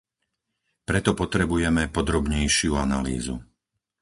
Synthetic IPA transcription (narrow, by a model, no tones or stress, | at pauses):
pɾɛt̪ɔpɔt̪ɾɛbujɛmɛpɔd̪ɾɔbɲɛjʃɪuanalḭːzṵ